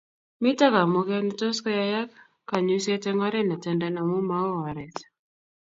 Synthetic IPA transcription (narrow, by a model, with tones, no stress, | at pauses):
mi˦ta˦ka˨mo˦kɛnitɔ˦skɔ˦ja˦ja˦k | kːa˨ɲusɛtɛ˦ŋɔ˦ɾɛ˦na˨tɛndana˨mu˦ma˦ɔ˦ɔ˨ɾɛ˨t